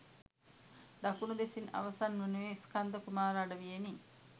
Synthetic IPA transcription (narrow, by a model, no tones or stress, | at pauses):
d̪akunud̪esina̰ʋɐsanʋenuʋeiskand̪əkumaːɾaɖəʋijeni